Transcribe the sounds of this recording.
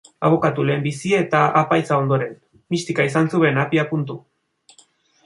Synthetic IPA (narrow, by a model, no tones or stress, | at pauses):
a̰β̞o̞kat̪ule̞ːmbisiet̪aapajt͡sao̞nd̪o̞ɾe̞n | mist̪ikaisansuβe̞napiapunt̪u